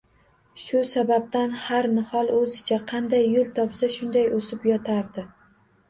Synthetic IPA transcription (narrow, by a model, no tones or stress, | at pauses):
ʃʊsabab̚t̪anhaɾnɪhɒlˠɵzɪt͡ʃʰaqʰɑnd̪ajːʊlˠt̪ʰɒpsaʃʊnd̪ajosɪpjɒt̪ʰaɾd̪ɪ